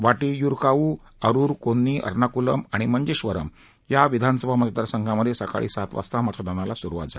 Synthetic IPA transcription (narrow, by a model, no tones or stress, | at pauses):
ʋaʈijuɾkauː | əɾuːɾkonːiːʔə̰ɾnakuləmaɽ̃iməɲd͡ʑeɕʋəɾəm | jaʋid̪ʱanəsəbʱaməd͡zət̪əɾsəŋkʰaməd̪ʱːjesəka̰ɭḭsat̪ʋa̰st̪amatʰad̪añalasuɾuʋa̰t̪̚d͡zal